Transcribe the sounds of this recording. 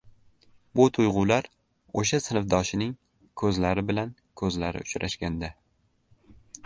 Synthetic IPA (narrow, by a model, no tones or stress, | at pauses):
bʊt̪ʰʊjʁʊlaɾ | oʃasɪnɪfd̪ɒʃɪnɪŋ | kʰɵzlaɾɪbɪlan | kʰɵzlaɾɪ̰ʊt͡ʃɾaʃɡʲand̪a